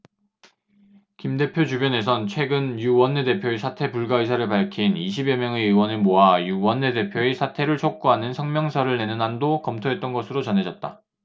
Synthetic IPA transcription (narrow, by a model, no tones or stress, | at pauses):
kimde̞pʰjot͡ɕubjʌne̞sʰʌnt͡ɕʰwe̞ɡɯnjuwʌnːe̞de̞pʰjoesʰatʰe̞puɭɡais̬ʰaɾɯɭpaɭkʰiniɕ̬ʰibjʌmjʌŋe̞ɯwʌnɯmoajuwʌnːe̞de̞pʰjoesʰatʰe̞ɾɯɭt͡ɕʰok̚k͈uɦanɯnsʰʌŋmjʌŋsʰʌɾɯɭne̞nɯnandokʌmtʰoɦe̞t̚t͈ʌnɡʌsʰɯɾot͡ɕʌnɦe̞d͡ʑʌt̚t͈a